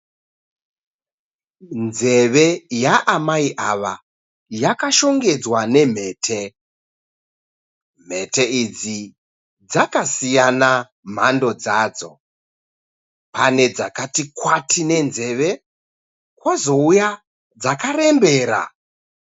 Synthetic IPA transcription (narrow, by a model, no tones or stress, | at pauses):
nze̞ʋe̞jaʔamaiʔaʋa | jakaʃo̞ŋɡe̞d͡zwane̞m̤e̞ːtʰe̞ | m̤e̞te̞id͡zi | d͡zakasijana | m̤ando̞d͡zaːd͡zo̞̰ | pane̞d͡zakatikwatʰine̞nze̞ʋe̞ | kwazo̞uja | d͡zakare̞mbe̞ːɾa̰